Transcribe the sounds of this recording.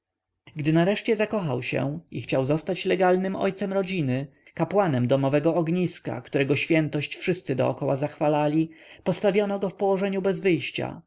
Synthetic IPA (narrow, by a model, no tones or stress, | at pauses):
ɡd̪ɘnaɾɛʂt͡ɕɛzakɔxawɕɛ̰ḭxt͡ɕawzɔst̪at͡ɕlɛɡalnɘmɔ̰jt̪sɛmɾɔd͡ʑinɘ | kapwanɛmd̪ɔmɔvɛɡɔːɡɲiska̰kt̪uɾɛɡɔɕfʲjɛnt̪ɔɕt͡ɕfʂɘst̪sɘd̪ɔ̰ɔkɔwazaxfalalʲipɔst̪avʲjɔnɔɡɔfpɔwɔʐɛɲubɛzvɘjɕt͡ɕa̰